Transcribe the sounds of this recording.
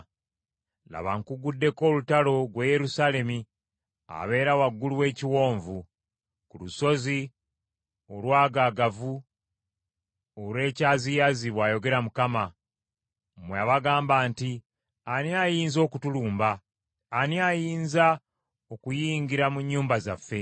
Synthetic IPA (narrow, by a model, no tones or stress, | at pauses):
la̰βa̰ŋkuɡudːe̞ko̞ːlutalo̞ɡweje̞ɾusale̞mi | a̰βe̞ːɾawaɡːuluwe̞ːciwo̞ːɱvu | kuluso̞zi | olwaːɡaɡavu | olwe̞ːcaːzijaziβwaːjo̞ɡe̞ɾamukama | mweaβaɡaːmbaːnti | aniajiːnzo̞ːkutuluːmbaː | niajiːnza | okujiːŋɡiɾamuɲːuːmbazafːe̞